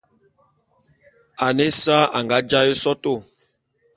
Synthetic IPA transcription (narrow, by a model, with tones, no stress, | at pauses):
a˨ne˦sa˦a˨ŋɡa˨˦d͡ʒa˦je˦sɔ˦to˦˨